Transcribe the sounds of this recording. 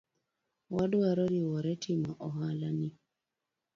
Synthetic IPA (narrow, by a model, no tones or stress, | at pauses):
waduaɾɔɾiwɔɾɛtʰimaʔɔhalani